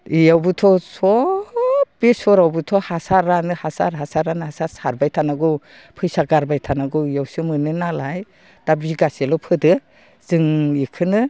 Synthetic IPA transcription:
ijawbɯtʰɔsɔ | b̥esɔɾawbɯtʰɔhasaɾanɯhasa̰ɾɦasaɾanhasaɾsaɾbajtʰanaɡɯw | pʰɯjsaɡaɾbajtʰanaɡɯjawsɯmɯnɯnalaj | d̥abiɡaselɔpʰɯdɯ | z̥ɯŋikʰɯnɯ

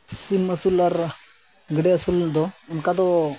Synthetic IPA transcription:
siməsulaɾ | ɡəɽeəsuld̪ɔunkad̪ɔ

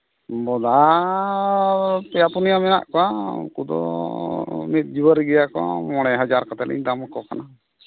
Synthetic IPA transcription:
bɔd̪a | pɛjapunijamɛna̰ʔkɔwaṵkud̪ɔ̰ | mit̪̚d͡ʒuwəɾɡɛjakɔa̰mɔɽ̃ɛɦad͡ʒaɾkɔt̪ɛlɛ̰ɲd̪amkɔkana

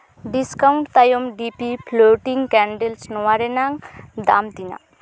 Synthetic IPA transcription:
ɖiskawɳʈt̪ajomɖipipʰloʈiŋkɛɳɖelsnɔwaɾenaŋd̪a̰mt̪ina̰

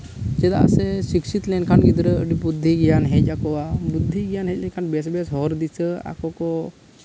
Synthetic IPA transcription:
d͡ʒɛd̪a̰sɛsikʃit̪lɛnkʰaɳɡid̪ɾəəɖibud̪ʱːiɡijanɦɛcʲakɔabud̪ʱːiɡijanɦɛcʲlɛkʰaɳbɛsbɛsɦɔɾd̪isəa̰kɔkɔ

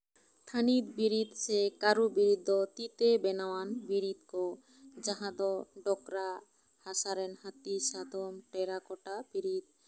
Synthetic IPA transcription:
t̪ʰanit̪biɾid̪sekaɾubiɾid̪ɔt̪it̪ebɛnawanbiɾid̪kɔ | d͡ʒaɦãd̪ɔɖɔkɾa | hasaɾɛnhat̪isad̪ʱɔmʈɛɾakɔʈabiɾid̪̚

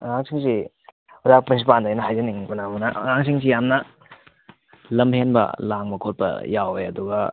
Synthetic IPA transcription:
ŋaŋsiŋsi | uzakpɾins̬ip̬andajnɐɦajzɐniŋkunamunɐʔŋaŋsʰiŋs̬ijamnɐ | lɐmhenbɐ̰laŋmɐkʰot̚pɐ̰jawejɐduɡɐ

